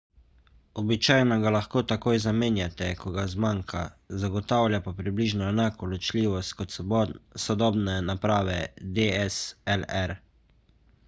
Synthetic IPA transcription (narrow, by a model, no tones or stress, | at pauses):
ɔbit͡ʃaːjnɔɡalaxkoːt̪akoːjzameːnjat̪ɛkɔɡazmaŋkʰa̰zaɡɔt̪aːwlʲjapapɾibliːʒnɔɛnaːkɔlɔt͡ʃlʲiːʋɔst̪̚kɔt̪sɔd̪ɔːbnɛnapɾaːʋɛd̪eɛsɛlɛɾ